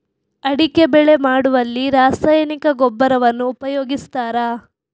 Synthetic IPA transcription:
ɐɽike̞bɛɭe̞maːɽuʋɐlːiɾaːsɐjɐnikɐɡɔbːɐɾɐʋɐnːuːpɐjoːɡist̪aːɾaː

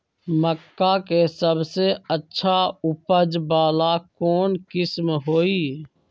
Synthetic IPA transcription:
məkːakesəbseətːʃʰaʊpəd͡ʒbaːlakɔːnkɪsmɦoːiː

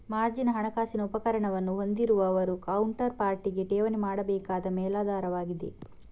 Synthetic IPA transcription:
maːɾd͡ʒinɐɦɐɳɐkaːsinɐupɐkɐɾɐɳɐʋɐnːuɦond̪iɾuʋɐːʋɐɾukɐwɳʈɐɾpaːɾʈiɡeʈɛːʋɐnemaːɽɐbɛːkaːd̪ɐmɛːlaːd̪ʱaːɾɐʋaːɡid̪e̞̰

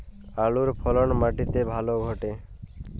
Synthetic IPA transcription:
aɭuɾpʰɔlɔnmaʈit̪ebʱaloɡʱɔʈe

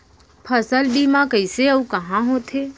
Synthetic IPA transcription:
pʰəsəlbimãkəjseəũkəɦãɦõt̪ʰe

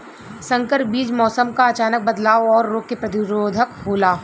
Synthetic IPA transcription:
sɐ̃ŋkəɾbiːd͡ʒmɔːsəmkaɐt͡ʃaːnək̚bɐd̪laːwɔːɾːoːɡ̚kepɾɐt̪ɪɾoːd̪ʱəkɦoːlaː

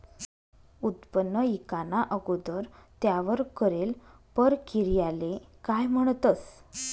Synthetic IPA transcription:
ut̪pənːəikanaʔəɡud̪əɾt̪jaʋəɾkəɾel | pəɾkiɾjalekajm̤əɽ̃t̪əs

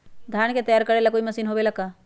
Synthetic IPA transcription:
d̪ʱaːɳ̃ket̪əjaːɾkəɾelakoːimɐsiːnɦoʋelaka

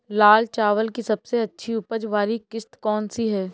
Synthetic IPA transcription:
laːlt͡ʃaːʋəlkisɐbseɐtːʃʰiʊpəd͡ʒʋaːlikɪst̪kɔːnsiɦɛː

